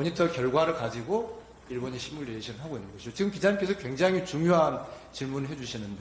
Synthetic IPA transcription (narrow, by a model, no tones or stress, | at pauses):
ʌɲitʰʌkjʌɭɡwaɾɯɭkad͡ʑiɡo | iɭboɲiɕʰimːuɭdeɕʰinɯɭɦaɡoinːɯnɡʌɕʰid͡ʑot͡ɕiɡɯmkid͡ʑaɲimk͈esʰʌkweŋd͡ʑaŋɦit͡ɕuŋjoɦan | t͡ɕiɭmunɯɭɦed͡ʑuɕʰinɯnd